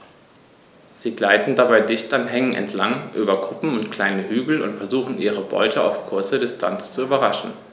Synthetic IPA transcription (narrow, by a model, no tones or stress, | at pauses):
z̥iːɡlaɪtn̩dabaɪdɪçtanɦɛŋənʔɛ̰ntʰlaŋʔyːbɐɡʁʊpm̩ʊntkl̥aɪnəɦyːɡl̩ʊ̰ntfɛɐzuːχn̩ʔiːʁ̞əbɔ̰ʏtʰəa̰ʊfkʰʊɐt͡sɐdɪstʰa̰nt͡st͡suyːbɐʁaʃn̩